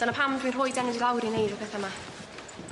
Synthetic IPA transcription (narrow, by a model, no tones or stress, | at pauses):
d̥anapʰamdwinrhojdɛnəvilˠawɾinejdapʰɛθama